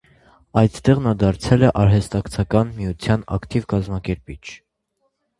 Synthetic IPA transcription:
ɑjt̪ʰt̪ɛʁnɑd̪ɑɾt͡sʰɛlɛʔɑɾɦɛst̪ɑkt͡sʰɑkɑnmijut͡sʰjɑnɑ̰kt̪ivkɑzmɑkɛɾpit͡ʃʰ

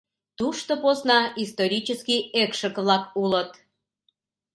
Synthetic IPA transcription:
t̪uʃt̪oposnɑist̪oɾʲit͡ɕəskijekʃəkβlɑkulət̪

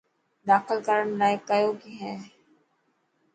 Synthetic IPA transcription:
d̪aːxɪlkəɾəɳnaːɪkːajoːkiɦɛ̃ː

